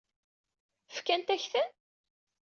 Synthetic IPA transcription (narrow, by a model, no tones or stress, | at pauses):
fkænt̪æçθæn